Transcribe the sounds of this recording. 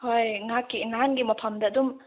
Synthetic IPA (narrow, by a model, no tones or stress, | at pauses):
hojŋakːinanɡimɐpʰɐmdɐːdum